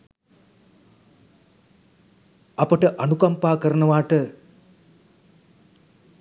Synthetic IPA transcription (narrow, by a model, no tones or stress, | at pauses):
ɐpɐʈːɨʔɐnukɐmpaːkɐɾɐɳɐʋaːʈːɨ